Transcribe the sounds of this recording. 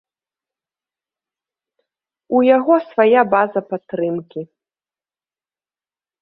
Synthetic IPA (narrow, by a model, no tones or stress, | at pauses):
ujaɣɔsvajabazɐpat̪ːɾɨmkʲi